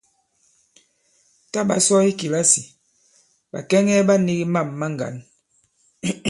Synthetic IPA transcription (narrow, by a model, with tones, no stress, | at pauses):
ta˦ba̰˨sɔ˦i˦ki˨la˦si˨ | ba̰˨kɛ˦ŋɛ˦ba˦ni˦ɡi˦ma˦˨mːa˦ŋɡa̰˨˦n